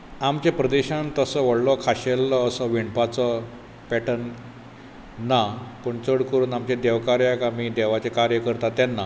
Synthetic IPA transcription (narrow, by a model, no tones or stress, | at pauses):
amt͡ɕepɾəd̪eɕãnt̪əsəʋəɽləkʰaɕelːəːsəʋiɳpat͡sə | pɛʈən | apəɳt͡səɽkəɾuːnamt͡ɕed̪eʋkaɾjakamid̪eʋat͡sekaɾjəkəɾt̪at̪ːjanːa